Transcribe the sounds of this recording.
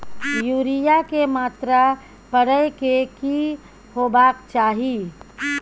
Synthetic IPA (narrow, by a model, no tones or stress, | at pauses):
juɾijakemaːt̪ɾa | pəɽəjkeki | hobakt͡ʃaːɦi